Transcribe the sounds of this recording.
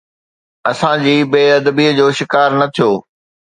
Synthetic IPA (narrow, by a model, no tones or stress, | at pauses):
ɐsãd͡ʑiːbeːɐd̪əbiːəd͡ʑoːʃɪkaːɾnɐt̪ʰijoː